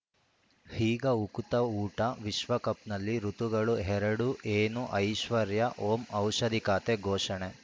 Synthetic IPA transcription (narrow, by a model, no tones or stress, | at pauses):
hiːɡɐukut̪ɐuːʈɐʋiʃʋɐkɐpnɐlːiɾut̪uɡɐɭuɦɛɾɐɽuʔeːnuʔɐjʃʋɐɾjɐʔoːmɐwʃɐd̪ikaːt̪eɡʱɔːʃɐɳe